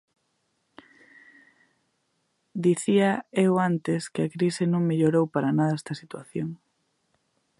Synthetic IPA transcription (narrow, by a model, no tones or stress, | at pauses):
d̪iθiɐewant̪eskeakɾisenõŋmeʎoɾowpaɾanaðɐɛst̪ɐsit̪waθjoŋ